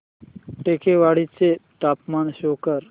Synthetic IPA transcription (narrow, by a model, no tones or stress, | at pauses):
ʈeːkeːʋaːɽit͡seʈaːpmaːnɕoːkəɾ